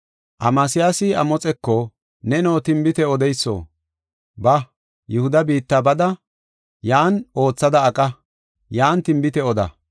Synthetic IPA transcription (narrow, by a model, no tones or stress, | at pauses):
ʔɐmaːsɪjaːsɪɐmɔt͡sʼɛkːɔ | nɛnoːt̪ɪmbɪt̪ɛɔd̪ɛjsːo̰ː | bɐ | jʊhʊd̪ɐbiːt̪ːabɐd̪ɐ | jaːno̞ːt͡sːɐd̪ɐːkʼɐ | jaːnt̪ɪmbɪt̪ɛɔd̪ɐ̰